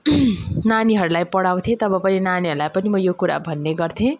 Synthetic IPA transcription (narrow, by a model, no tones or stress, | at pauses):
naniɦʌɾulajpʌɽaw̃t̪ʰẽt̪ʌbʌpʌninaniɦʌɾulajpʌnimʌjokuɾa̰bʱʌnːeɡʌrt̪ʰẽ